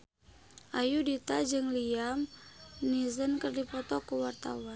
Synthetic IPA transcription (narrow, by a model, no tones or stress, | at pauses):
ʔajudit̪ad͡ʒɨŋliamnizənkərdipɔt̪ɔkuwart̪a̰wan